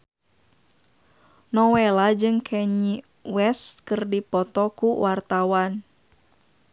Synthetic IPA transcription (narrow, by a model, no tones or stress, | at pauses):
nɔwɛlad͡ʒɨŋkʰɛɲi | wɛst̪̚kɨrdipɔt̪ɔkuwart̪awan